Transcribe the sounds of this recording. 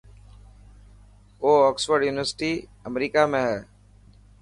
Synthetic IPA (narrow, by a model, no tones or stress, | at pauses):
oːɔːksʋəɾɖjuːnɪʋəɾsɪ̥ʈiːəmɾiːkamẽɦɛː